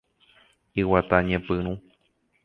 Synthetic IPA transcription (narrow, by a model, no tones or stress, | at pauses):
iwat̪aɲẽpɨɾ̃ũ